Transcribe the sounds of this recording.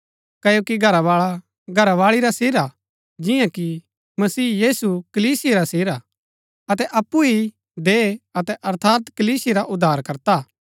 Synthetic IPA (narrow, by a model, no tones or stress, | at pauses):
kɐjoːkiɡʱɐɾaʋaːɭa | ɡʱɐɾaʋaːɭiɾaseːɾa | d͡ʒɪ̃jãki | mɐsiːjiːsukɐliːsijeɾaseːɾa | ɐt̪ɛʔɐpːui | d̪eːɐt̪ɛʔɐɾt̪ʰaːt̪kɐliːsɪeɾaʔʊd̪ʱːaːɾkɐɾt̪aː